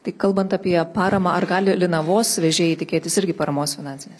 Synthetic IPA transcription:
t̪ɐɪkɐlˠbɐnt̪ɐpʲiɛpɑːɾɐmɑːɐrɡɑːlʲɪlʲɪnɐʋoːsʋʲɛʒʲeːjɪt̪ʲɪkʲeːt̪ʲɪsɪɾʲɡʲɪpɐɾɐmoːsfʲɪnɑːnʲsʲɪnʲeːs

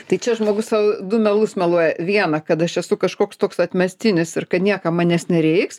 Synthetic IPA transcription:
t̪ɐɪt͡ʃʲɛʒmoːɡʊssɑːʋod̪ʊmʲɛlˠʊsmʲɛlˠuɔjɛʋʲiɛnɐkɐt̪ɐʃɛsʊkɐʃkoːkst̪oːksɐt̪ʲmʲɛsʲt̪ʲɪnʲɪsɪrkɐt̪nʲiɛkɐmɑːnʲɛːsnʲɛɾʲɛɪks

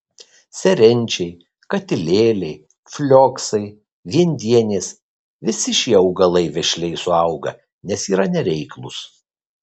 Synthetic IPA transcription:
sʲɛɾʲɛnʲt͡ʃʲɛɪ | kɐt̪ʲɪlʲeːlʲɛɪ | fʲlʲoːksɐɪ | ʋʲiɛnʲd̪ʲiɛnʲeːs | ʋʲɪsʲɪʃʲiɛɐʊɡɐlˠɐɪʋʲɛʃʲlʲɛɪsʊɐʊɡɐ̰ | nʲɛsiːɾɐnʲɛɾʲɛɪklˠʊs

